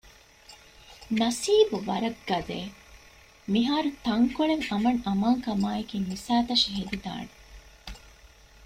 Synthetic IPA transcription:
nɐsiːbuʋɐɾɐɡːɐzḛː | miɦaːɾut̪ɐŋkoɭeŋɐmɐŋɐmaːŋkɐmaːekiːmisaːt̪ɐʃiɦed̪id̪a̰ːne

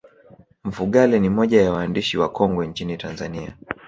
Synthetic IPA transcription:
m̩fuɠalinimɔʄajawaːndiʃiwakɔŋɡɔɲt͡ʃinitanzania̰

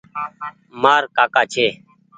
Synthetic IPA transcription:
maːɾkaːkaːt͡ʃʰeː

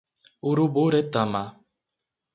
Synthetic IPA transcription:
uɾuboɾet̪ama

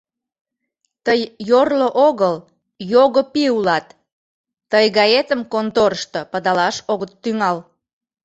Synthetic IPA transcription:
t̪əjːorloʔoɣəl | joɣopiulɑt̪ː | əjɣɑjet̪əmkont̪oɾʃt̪opəd̪ɑlɑʃoɣət̪ːyŋɑl

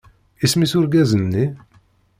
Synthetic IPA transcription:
ismisʊɾɡæzənːi

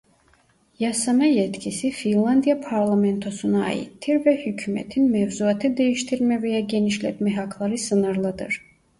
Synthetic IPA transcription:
jasanajɛt̪cʰisifinlˠand̪ijapʰaɾlˠamɛnt̪ʰo̞sunaa̰jḭt̪ʰːiɾvɛhycʰymɛ̰t̪ʰinmɛvzuat̪ʰɯd̪e̞jiʃt̪ʰiɾmɛvɛjaɟeniʃlʲɛt̪mɛɦakʰlˠaɾɯsɯnɯɾlˠad̪ɯ̰ɾ̥

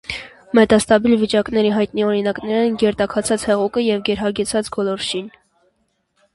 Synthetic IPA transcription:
mɛt̪ɑst̪ɑbilvit͡ʃɑknɛɾiɦɑjt̪̚niɔɾinɑknɛɾɛnɡɛɾt̪ɑkʰɑt͡sʰɑt͡shɛʁukəjɛvɡɛɾɦɑɡɛt͡sʰɑt͡sɡɔlɔɾʃin

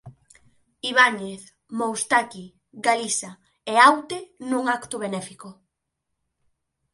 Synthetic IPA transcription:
iβaɲeθ | mowst̪aki | ɡalisa | eawt̪enuŋakt̪ʊβenɛfiko

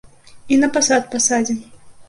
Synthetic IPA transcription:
inɐpasat̪̚pasad͡zʲɛ

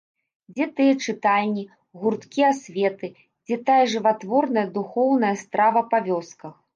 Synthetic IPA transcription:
d͡zʲɛt̪ɨjɛt͡ʂɨt̪alʲnʲi | ɣurt̪kʲijasʲvʲɛt̪ɨ | d͡zʲɛt̪ajɐʐɨvat̪vɔrnɐjɐd̪uxɔwnɐjɐst̪ɾʔavɐpavʲɔskɐx

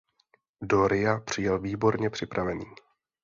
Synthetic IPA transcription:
doɾɪapr̝̥ɪjɛlviːbo̞ɾɲɛpr̝̥ɪpɾʔavɛniː

